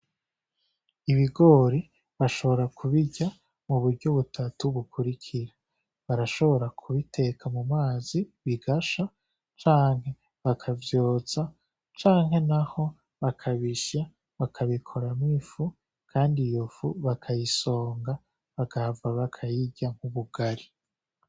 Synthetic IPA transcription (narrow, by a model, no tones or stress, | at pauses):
iβiɡo̞ːɾi | βaʃo̞βo̞ɾakʰuβiɟa | muβuɾɟo̞βutʰatuβukʰuɾikʰiɾa | βaɾaʃo̞βo̞ɾakʰuβitʰe̞kʰamumaːz̥iβiɡaʃa | t͡ʃaːŋɦe̞ | βakʰavjo̞ːz̥a | t͡ʃaːŋɦe̞naho̞ | βakʰaβiʃa | βakʰaβikʰo̞ɾamifu | kʰaːndijofuβakʰajiso̞ːŋɡa | βaɡahvaβakʰajiɟaŋ̥huβuɡ̥aɾi